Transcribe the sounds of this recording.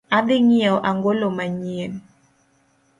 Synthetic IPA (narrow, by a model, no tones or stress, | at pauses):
ad̪ɪŋiɛɔʔaŋɡolomaɲien